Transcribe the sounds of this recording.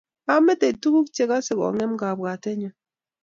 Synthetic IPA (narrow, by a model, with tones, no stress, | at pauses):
a˦mɛ˦te˨tu˦ku˦kt͡ʃe˦ka˦sɪ˨kɔ̰˨ŋɛ˦mɡa˨bɣa˨tɛ˦ɲɔ˨